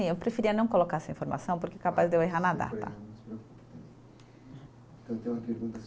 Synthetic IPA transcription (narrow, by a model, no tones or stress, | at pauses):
ĩewpɾefiɾiɐnɐ̃w̃kolokaɾɛsɐĩfoɾma̰sɐ̃w̃poɾkeɛkapazd̪eweɦaɾnad̪a̰t̪ɐ̰pɾokũt̪e | t̪ɐ̃w̃t̪ẽjũmɐpeɾɡũt̪ɐ